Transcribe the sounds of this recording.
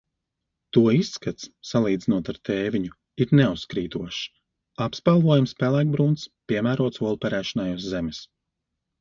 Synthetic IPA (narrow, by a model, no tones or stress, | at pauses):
t̪uɔisːkat̪ssalˠiːd̪zinuɔt̪aɾt̪ʰɛːvʲiɲu | iɾnɛuskɾiːt̪uɔʃ | apspalˠvuɔjumspʲælˠæjk̚bɾuːnt̪spʲiɛmæːɾuɔt̪suɔlˠupʲɛɾæːʃanajuszɛmɪs